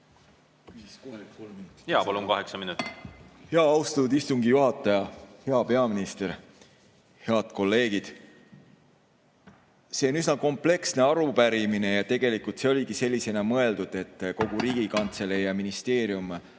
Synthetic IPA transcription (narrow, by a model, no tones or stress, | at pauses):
koljɑpɑluŋkɑɦeksɑminut̪ːˑi̥heɑɑwst̪ɑt̪ːud̪ist̪uŋɡijuɦɑt̪ːˑɑjɑhe̞ɑpe̞ɑminist̪e̞ɾ | he̞ɑd̪̥ko̞lːe̞ːɡ̥id̪̥ | se̞o̞nysnɑko̞mple̞ksne̞ɑɾupæɾimine̞jɑt̪e̞ɡ̥e̞likult̪se̞o̞lʲiɡ̥ise̞lʲːise̞nɑmɤe̞ld̪̥ud̪̥e̞t̪ːko̞ɡ̥uɾiːɡ̥ikɑnt̪se̞lejɑminist̪e̞ːɾjum